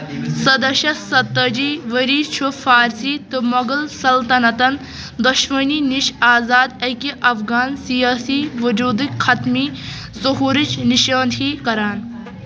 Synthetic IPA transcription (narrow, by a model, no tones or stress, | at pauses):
sɐd̪ɐʃɐsɐt̪ːɐd͡ʒiːʋɐɾiːt͡ʃʰufaːɾsiːt̪ɨmɐɡɐlsɐlt̪ɐnɐt̪ɐn | d̪uʃmɐniːniʃaːzaːd̪ɐkiʔɐfɡaːnsijaːsiːʋɐd͡ʒuːd̪ikxʰɐt̪miː | zuɦuːɾit͡ʃniʃaːnd̪ʱiːkɐɾaːn